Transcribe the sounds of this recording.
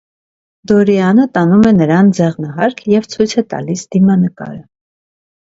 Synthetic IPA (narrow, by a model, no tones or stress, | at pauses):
d̪ɔɾiɑnət̪ɑnumɛnəɾɑnd͡zɛʁnəɦɑɾkʰjɛvt͡sʰujt͡sʰɛt̪ɑ̰lisd̪̥imɑnəkɑ̰ɾə